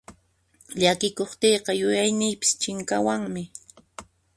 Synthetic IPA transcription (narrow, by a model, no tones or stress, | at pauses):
ʎakɪkoχt̪ejqɑjʊjajnɪjpɪ̥st͡ʃɪŋkawaŋmɪ